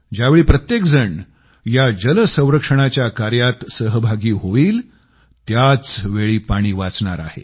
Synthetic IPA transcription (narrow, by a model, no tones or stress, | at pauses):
d͡ʑjaʋeɭiːpɾət̪jekd͡zəɳ | jad͡ʑələsə̃w̃ɾəkʂəɽ̃at͡ɕjakaɾjat̪səɦəbʱaɡiːɦoiːl | t̪jat͡sʋeɭiːpaɽ̃iːʋat͡sɳa̰ɾa̰ɦḛ